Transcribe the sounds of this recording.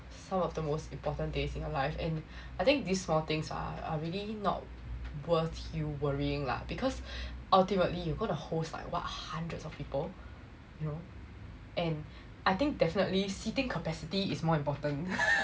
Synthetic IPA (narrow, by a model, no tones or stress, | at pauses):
sãmɔfdəmostĩmpɔtə̃ndesĩnjɔlaɪfɛ̃n | ajt̪ɪ̃ŋk̚disːmɔt̪ɪ̃ŋsa̰a̰ɹilinɔ̰t̚ | wəθjuwəɹiɪ̃ŋla̰ɪk̚b̥ikʰɔsʔaltimətlijuɡonəhosla̰ɪkwa̰t̚hãndɹətsɔfpiːpəl | juno | ʔɛ̃n | ʔaɪt̪ɪ̃ŋk̚dɛfinətlisitɪ̃ŋkʰəpɛsitiːsmɔĩmpɔtə̃n